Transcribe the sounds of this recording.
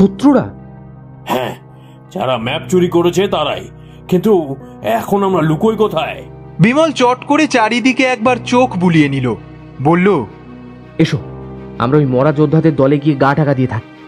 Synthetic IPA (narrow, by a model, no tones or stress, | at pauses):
ʃot̪ːɾoɾa̰ | hɛ̃ | d͡ʑa̰ɾamɛp̚t͡ɕuɾikoɾet͡ɕʰet̪aɾa̰j | kint̪u | ɛkʰonamɾalukojkot̪ʰae | bimalt͡ɕɔʈkoɾet͡ɕaɾid̪ikeɛk̚baɾt͡ɕokʰbulienilo | bolːo | eʃoba̰mɾaojmɔɾad͡ʑod̪ʱːad̪eɾd̪ɔleɡieɡaʈʰakad̪ijet̪ʰake̥